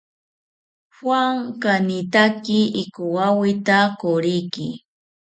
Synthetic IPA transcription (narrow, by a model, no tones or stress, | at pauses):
hwaŋkanɪt̪akɪʔɪkʊwawɪt̪akoɾɪjkɪ